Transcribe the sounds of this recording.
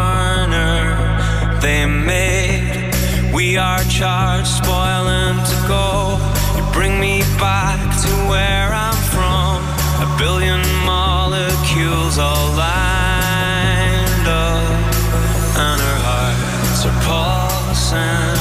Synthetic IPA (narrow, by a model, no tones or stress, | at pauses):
nə˞ | ðeɪmeɪ | d | wi | ə˞t͡ʃʰɑɪlˠd̥spɔɪlˠɪ̃ŋtʰɨɡoʊ | jɨbɹɪ̃ŋmi | bæ | k̚tʰəwə˞ãɪ̃ɱfɹʌ̃m | ɨbɪlˠjɨ̃n | mɑ | lˠəkʰjʉlˠzə | la | ndʌ | ə̃nə˞ɑɹ | səpʰɔ | s | ɨ